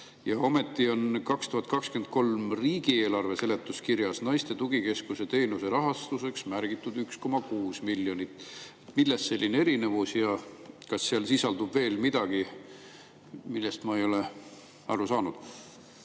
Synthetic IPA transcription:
jɑo̞me̞t̪ːio̞nkɑkst̪uhɑt̪̚ˑkɑkskyent̪̚ko̞lmriːɡie̞ːlɑrve̞se̞le̞t̪ːˑuskiɾjɑsnɑjst̪e̞t̪uɡ̥ike̞skuse̞t̪e̞ːnuse̞ɾɑɦɑst̪use̞ksmæɾɡ̥it̪ːˑud̪yksko̞mɑkuːsmiljo̞nit̪ːˑet̪ːmilːest̪se̞lʲːine̞ɾine̞vusjɑkɑsːeɑlsisɑld̪ubve̞ːlmid̪̥ɑɡ̥i | milːest̪mɑejo̞le | ɑrusɑːnud̪̥

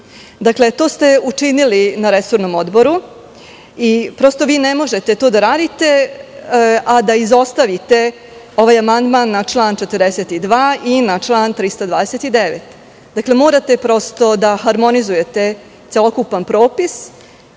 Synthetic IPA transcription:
d̪akle̞t̪o̞ːst̪e̞ut͡ʂinilinaɾeso̞ɾno̞mo̞d̪bo̞ɾu | ipɾo̞st̪o̞ʋiːne̞mo̞ʒe̞t̪e̞t̪oːd̪aɾaːd̪it̪e̞ | ad̪aizo̞st̪aʋit̪e̞ | o̞ʋaːjamand̪maːnːat͡ʃlˠaːnt͡ʃe̞t̪ərɾd̪eset̪id̪ʋaːinat͡ʃlˠaːnt̪ɾist̪ad̪ʋaːd̪eset̪id̪e̞ʋḛt̪ | d̪aklemo̞ːɾat̪e̞pɾo̞st̪o̞d̪axaɾmo̞nizuje̞t̪e̞ | t̪selˠo̞kupanpɾo̞ːpis

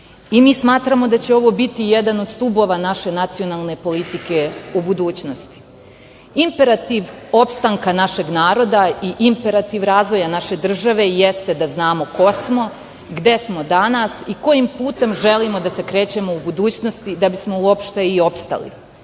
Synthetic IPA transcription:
imiːsmaːt̪ɾamo̞d̪at͡ɕeo̞ʋo̞bit̪ijed̪ano̞d̪st̪ubo̞ːʋanaʃe̞nat̪sio̞nalˠne̞po̞lit̪ike̞ubud̪uːt͡ɕno̞st̪i̥ | impe̞ɾat̪iʋo̞pst̪aŋkanaʃe̞ɡnaːɾo̞d̪aiʔimpe̞ɾat̪iʋɾaːzʋo̞janaʃe̞d̪r̩ʒaʋe̞jest̪e̞d̪aznaːmo̞ko̞smo̞ | ɡd̪e̞smo̞d̪anasiko̞jimpuːt̪e̞mʒe̞limo̞d̪ase̞kɾe̞ːt͡ɕe̞mo̞ubud̪uːt͡ɕno̞st̪id̪abismo̞uopʃt̪e̞io̞pst̪a̰lḭ

